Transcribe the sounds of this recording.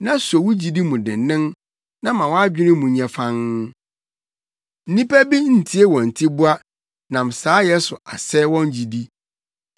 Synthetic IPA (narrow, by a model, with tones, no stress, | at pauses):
nã˦sɔ˨wʊ˦d͡ʑi˨di˦mũ˨dɪ̰̃˨n˨nːɪ̃˦n | nã˦mã˨wɔ̃˦a˦d͡ʑᶣɪ˦nɪ˦mũ˨˦ɲɛ̃˨fã˦n | n̩˦nĩ˦pæ˦bi˦n̩˨tʰi˦e˦wɔ̃˨n̩˨tʰi˦bʊ˦a˦ | nã˨m˨saː˨˦jɛ˦sʊ˨a˨sɛ˦wɔ̃˦n˦d͡ʑi˨di˦